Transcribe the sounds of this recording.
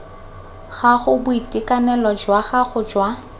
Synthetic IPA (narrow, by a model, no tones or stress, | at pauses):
ɣaɣʊbʊitʼikʼanɛlɔd͡ʒwaχaχʊd͡ʒwa